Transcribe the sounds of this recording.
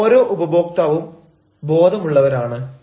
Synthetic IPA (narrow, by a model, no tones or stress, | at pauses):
ɾo̞ːʔubɐbo̞ːk̚t̪aːʋum | bo̞ːd̪ʱɐmuɭːɐʋɐɾaːɳɨ